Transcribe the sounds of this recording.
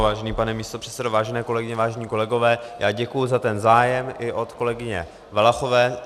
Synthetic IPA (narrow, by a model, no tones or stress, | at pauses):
vaːʒɛniːpanɛmiːst̪o̞pr̥ɛ̥tt͡sɛdovaːʒɛnɛːko̞lɛɡɪɲɛvaːʒɛɲiːko̞lɛɡo̞vɛːjʔaːɟɛkujʊzat̪ɛnzaːjɛmʔɪʔo̞t̪ko̞lɛɡɪɲɛ̰ | valaxo̞vɛː